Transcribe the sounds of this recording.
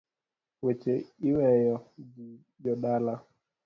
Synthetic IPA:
wɛt͡ʃɛiwɛjɔd͡ʒi | jɔɗala

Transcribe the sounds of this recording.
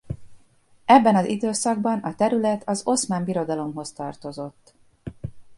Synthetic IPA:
ɛbːɛnɒzid̪øːsɒɡ̚bɒnɒt̪ɛɾylɛt̪ʰɒzo̞smaːmbiɾo̞d̪ɒlo̞mɦo̞st̪ɒrt̪o̞zo̞t̪ː

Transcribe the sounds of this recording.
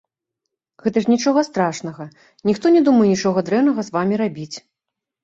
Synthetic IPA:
ɣɛt̪ɐʂnʲit͡ʂɔɣɐst̪ɾaʂn̪ɐɣɐ | nʲixt̪ɔnʲɛd̪umɐjɛnʲit͡ʂɔɣɐd̪ɾɛwnɐɣɐzvamʲiɾabʲit͡sʲ

